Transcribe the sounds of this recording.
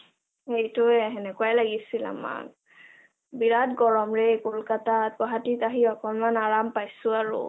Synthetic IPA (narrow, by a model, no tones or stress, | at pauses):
ejtʊɛɦɛnɛkuajlaɡisila̰ma̰k̚ | biɹatɡɔɹɔmɹekolkatat̚ɡɔɦatitaɦiɔkɔnmanaɹampajsʊaɹʊ̰